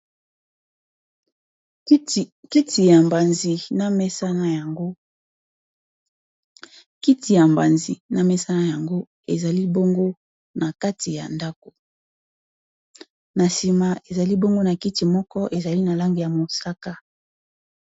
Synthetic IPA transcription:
ki˦tʰi˨ja˨mba˨nzi˨na˦mɛ˦sa˦na˨ja˨ŋɡo˦ | ki˦ti˨ja˨mba˨nzi˨na˨mɛ˦sa˦na˨ja˨ŋɡo˦ | e˨za˨li˦bo˦ŋɡo˦ | na˨ka˦ti˨ja̰˨nda˦ko̥˨ | na˨si˨ma˨e˨za˨li˦bo˦ŋɡo˦na˨ki˦ti˨mɔ˦kɔ˦ʔe˨za˨li˦na˨la˦ŋɡi˨ja˨mo˨sa˦ka˦

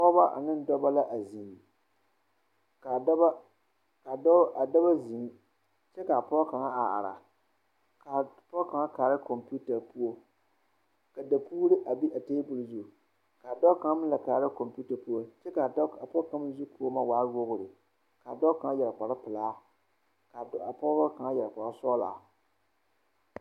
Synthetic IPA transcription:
pɔ˦ba˦ʔa̰˨nɨ˦n˦dɔ˦ba˦la˦ʔa˨zi˨ŋ˨ | ka˨da˦ba˦ | ka˨˦a˨da˦ba˦zi˨ŋ˦ | t͡ʃɛ˦ka˨pɔ˦ka˨ŋa˦a˨a̰˨ɾa̰˨ | ka˨ | pɔ˦ka˨ŋa˦kaː˨ɾɨ˦ko˨mpu˦ta˨pu˦o˦ | ka˨da˨pʰuː˦ɾɪ˦ʔa˨bi˦ʔa˨teː˦bʊ˨lzu˨ | ka˨a˨dɔ˦ka˨˦m˦la˨kaː˨ɾɨ˦ko˨mpu˦ta˨pu˦o˦t͡ʃɛ˦ka˨˦a˨pɔ˦ka˦m˦zɪ˦pu˦o˦ma˨waː˦wo˦ɣʊ˨ɾɨ˨ | ka˨dɔ˦ka˨ŋa˦jɛ˨ɾk͡pa˨ɾa˦pɨ˨laː˦ | ka˨˦a˨pɔ˦ba˦ka˨ŋa˦jɛ˨ɾk͡pa˨ɾa˦sɔː˦la̰˨

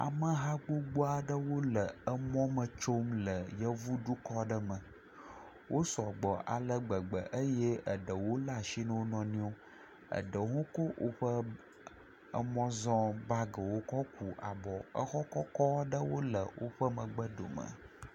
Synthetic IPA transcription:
a̰˨mə̃˦ɦa˦ɡ͡bo˦ɡ͡bo˦a˨ɖə˦wo˦lə˨ə˦mɔ̃˦mə˨t͡ʃo˦mlə˨jə˦vu˦ɖu˦kɔ˦ɖə˦mə̃˨ | wʔo˦sɔ˨ɡ͡bɔ˨ʔa̰˨lə˦ɡ͡bə˨ɡ͡bə˨ʔə˦je˦ə˨ɖə˨wo˦la˨ʃi˦nə˦wo˦nɔ̃˨nĩ˦o˦ | ə̰˨ɖə˨˦ŋõ˦ko˦wʔo̰˦ɸə˦ | ə̰˦mɔ̃˦zɔ̃˦ba˦ɡə˨wo˦kɔ˦ku˨a̰˨bɔ˨ə˦xɔ˦kɔ˦kɔ˦ɖə˦wo˦lə˨wo̰˦ɸə˦mə̃˨ɡ͡bə˦ɖo̰˨mə̰˨

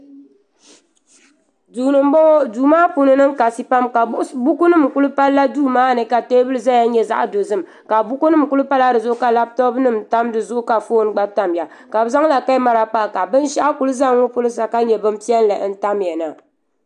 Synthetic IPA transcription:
duː˨nɨ˨m˦bɔ˦duː˨maː˦pu˨nɨ˦nɨ˦ŋka˨si˦pa˦mka˨bu˦ku˦nɨ˦mku˦lɨ˦pa˦lːa˦duː˦˨maː˦nɨ˨ka˨teː˦bɨ˦lɨ˦za˦ja˦ɲɛ˦za̰˦ʔdo˨zɨ˦m˨ | ka˨bʊ˦ku˦nɨ˦mku˦lɨ˦pa˦la˦dɨ˨zʊ˦ʔʊ˦ka˨la˦b̚tɔ˦bnɨ˦mta˦mdɨ˨zʊ˦ʔʊ˦ka˨foː˦n˦ɡ͡ba˦ta˨mja˨ | ka˨bza˦ŋla˨ka˦ma˦ɾa˨k͡pa˦˨ka˨bɨ˦nʃɛ˦ʔa˦ku˨lɨ˦za˦ŋ˦o˦pʊ˦lɨ˦sa˨ka˦ɲɛ˨bɨ˦m˦pi˦ɛ˦n˦la˨ʔn̩˦ta˦mjɛ˨na˨

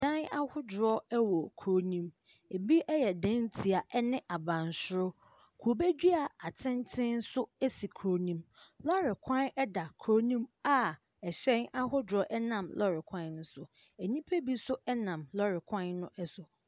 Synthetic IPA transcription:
ã˦na˦hʊ˦dʊ˨ɾɔ˦ɛ˦wɔ˨kʰɾo˦nĩ˦m | e˨bi˦ʔɛ˦jɛ˨dɛ̃˦ntʰi˨a˨ʔɛ˦nɪ̃˦ʔa˨bã˨n˨sʊ˦ɾʊ˦ | kʰu˨o˨be˦d͡ʑᶣi˦a˨a˨tʰɪ̃˦ntʰɪ̃˦n̩˦sʊ˦ɛ˦si˨kʰɾo˨nĩ˦mlɔ˦ɾɪ˨kʰã˦nɛ˦da˨kʰɾo˦nĩ˦ma˦˨ | ɛ˨ɕɛ̃˦na˦hʊ˦dɾɔ˦ʔɛ˦nã˨mlɔ˦ɾɪ˨kʷʰã˦nn̩˦sʊ˨ | æ˨ɲĩ˦pʰe˦bi˦sʊ˦ɛ˦nã˨mlɔ˦ɾɪ˨kʰã˦nnːʊ̃˦ʔɛ˦sʊ˨

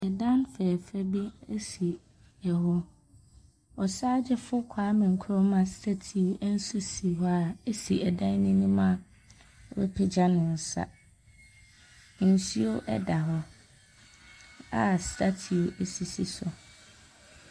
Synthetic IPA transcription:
ɛ˨dã˦nfɛː˨fɛ˦bi˦e˦si˨ | ɛ˨ɦɔ˦ | ɔ˨saː˦d͡ʑɛ˦fʊ˦kʷʰaː˦mɪ̃˨ŋ̩˨kʰʊ˦ɾɔ˦mã˨stʰa˦tʰi˨o˦ʔɛ˦n̩˦su˦si˨ɦɔ˦a˨e˦si˨ɛ˨dã˦nːĩ˦nĩ˦mã˦˨ | ɔ˨bɛ̰˦pʰɪ˦d͡ʑa˦nʊ̃˨n̩˨sa̰˦˨ | n̩˨si˦o˦ʔɛ̰˦da˨ɦɔ˨ | a˦stʰa˦tʰi˨o˨ʔe˦si˨si˨sʊ˨

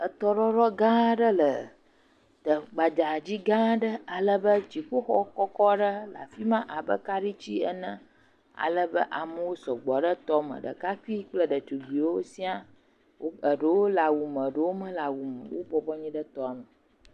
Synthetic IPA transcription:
ə˨t̪ɔ˦ɖɔ˦ɖɔ˦ɡã˦ɖə˦lə˨ | t̪ə˨ɡ͡ba˨d͡ʒa˨d͡ʑi˦ɡã˦ɖə˦a˨lə˦bə˦t͡ɕi˨ɸo˦xɔ˦kɔ˦kɔ˦ɖə˦la̰˨fi˦mã˦ʔa˨bə̰˦ka˦ɖi˦t͡ɕi˦ə̰˦nə̃˦ | a̰˨lə˦bə̰˦ʔa˨mə˦wo˦sɔ˨ɡ͡bɔ˨ɖə˦t̪ɔ˦mə̰̃˨ɖə̰˨ka˦ki˦k͡plə˦ɖə˨t̪u˨vi˨wo˦si˦a˦ | wo˦ə˨ɖə˨wo˦la˨wu˨mə̃˨ɖə˨wo˦mə̃˦la˨wu˨m˨wo̰˦bɔ˨bɔ˦ɲĩ˦ɖə˦t̪ɔ˦˨mə˨

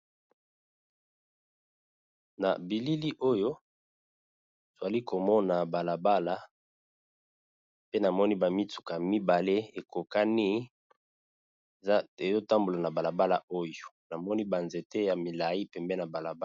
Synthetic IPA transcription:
na̰˨bi˨li˦li˦ʔo˦jo˦ | za˨li˦ko˨mɔ˦na˨ba˨la˨ba˦la˦ | pe˦na˨mɔ˦ni˦ba˨mi˦tu̥˨ka˨mi˦ba˨le˦e˨ko˨ka˦ni˦ | e˨zo˦ta˦mbo˨la˨na˨ba˨la˨ba˦la̰˨o˦jo˨na˨mɔ˦ni˦ba˨nze˨te˦ja˨mi˨la˨i˦pɛ˨mbɛ˦na˨ba˨la˨b

